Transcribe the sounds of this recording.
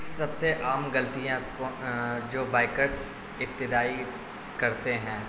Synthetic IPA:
sɐbseʔaːmɡɐlt̪ijã | d͡ʒoːbaːɪkəɾs | ɪp̚t̪ɪd̪aːi | kɐɾt̪eɦɛ̃ː

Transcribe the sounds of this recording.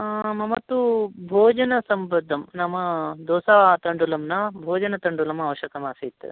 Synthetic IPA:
mɐmɐt̪ːubʱɔːd͡ʒɐnɐsɐmbɐd̪ʱːɐmnɐmːɐd̪ɔːsaːt̪ɐɳɖulɐmnɐbʱɔːd͡ʒɐnɐt̪ɐɳɖulɐmɐʋɐʃɐkɐmaːsɐit̪ːṵ

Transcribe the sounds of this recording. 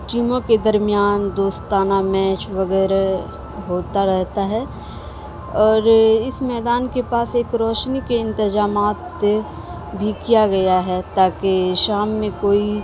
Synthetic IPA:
ʈiːmõked̪ɐɾmijaːnd̪oːst̪aːnamɛːt͡ʃʋɐɡɛːɾe | ɦoːt̪aɾɛɦt̪aɦɛ | ɔːɾɪsmɛːd̪aːnkepaːseːkɾɔːʃnikeɪ̃nt̪ɪzaːmaːt̪ | bʱikijaɡɐjaɦɛt̪aːkeʃaːmːẽkoːi

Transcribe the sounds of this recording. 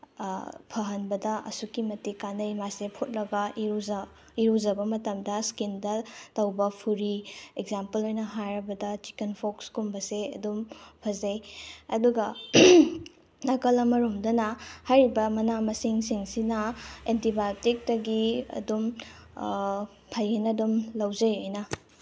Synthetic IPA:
pʰɐɦɐnbɐdɐʔɐ̰sukimɐtikanɐimasepʰut̚lɐɡɐiɾuzɐ | iɾuzɐbɐmɐtɐmdɐskindɐtɐwbɐpʰuɾiekzampɐlojnɐɦajɾɐbɐdɐt͡ʃi̥kenpʰokskumbɐseɐ̰dumpʰɐzejɐduɡɐ | nɐkɐlɐmɐɾumdɐnɐhaɾibɐmɐnamɐsiŋsiŋsinɐentibatik̚tɐɡiɐ̰dum | pʰɐjenɐdumlɐwd͡ʒɐjɐjnɐ

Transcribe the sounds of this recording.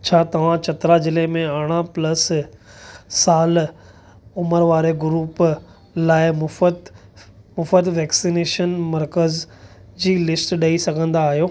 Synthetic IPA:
t͡ɕʰaːt̪ɐʋ̤ãt͡ɕɐt̪ɾad͡ʑɪlemẽaːɽ̃aplɐs | saːl | ʊməɾʋaːɾeɡʊɾuːp | laːɪmʊ | mʊfəd̪ʋɛːksineːʃənmɐɾkəzd͡ʑiːlɪsʈɗɐisɐɡʱə̃nd̪aːɦijoː

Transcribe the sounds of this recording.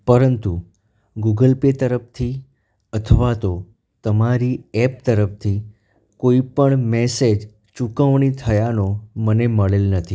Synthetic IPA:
pəɾənt̪u | ɡuɡəlpet̪əɾəp̚t̪ʰi | ət̪ʰəʋat̪o | t̪əmaɾiɛp̚t̪əɾəp̚t̪ʰi | koipəɳmɛsed͡ʒ | t͡ʃukəʋɳit̪ʰəjanoməneməɭelnət̪ʰi

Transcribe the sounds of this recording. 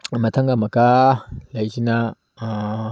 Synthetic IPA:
matɐŋɡamakalait͡ʃina

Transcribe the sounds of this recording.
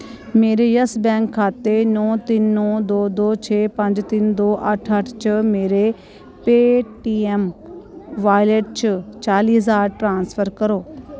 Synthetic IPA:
meːɾeːjəsbɛ̃ːŋkʰːaːt̪eːnɔ̃ːt̪ɪnːɔ̃ːd̪oːd̪oːt͡ʃʰeːpə̃ɲd͡ʒt̪ɪnd̪oːʔəʈʰəʈʰt͡ʃəmeːɾeː | peːʈiːɛm | ʋaːɪleʈ̚t͡ʃət͡ʃaːliːɦəzaːɾʈɾãːnspʰəɾkəɾoː

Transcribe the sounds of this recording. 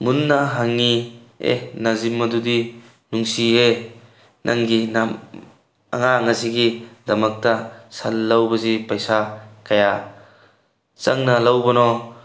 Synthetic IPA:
munːaɦaŋːi | ḛnazimːɐdudi | nuŋsie | nʔa̰ŋɡinam | a̰ŋaŋɐsiɡidɐmɐk̚tasalːawbɐzipɐjsakaja | t͡ʃɐŋnɐlawbɐnɔ

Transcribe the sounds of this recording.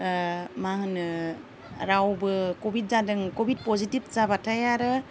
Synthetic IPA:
maɦɯn | ɾawbɯkɔbʱit̚zadɯŋkɔbʱid̚pɔzitib̚zabatʰajaɾɯ

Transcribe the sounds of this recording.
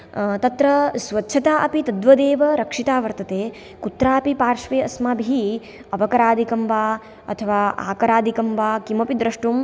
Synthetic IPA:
t̪ɐt̪ɾɐsʋɐtːʃʰɐt̪aːʔɐpit̪ɐd̪ʋɐd̪eːʋɐɾɐkʂit̪aːʋɐɾt̪ɐt̪eː | kut̪ɾaːpipaːɾʂʋeːɐsmaːbʱi | ɐʋɐkɐɾaːd̪ikɐmʋaː | ɐ̰t̪ʰɐʋaːʔa̰ːkɐɾaːd̪ʱikɐmʋaːkimɐpid̪ɾɐʂʈum

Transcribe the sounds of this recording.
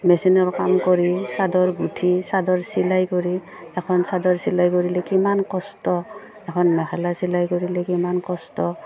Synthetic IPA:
mɛsinɔɹkamkɔɹisadɔɹɡutʰisadɔɹsilajkoɹi | ɛkʰɔnsadɔɹsilajkoɹilɛkimankɔstɔ | ɛkʰɔnmɛxʰalasilajkoɹilɛkimankɔstɔ

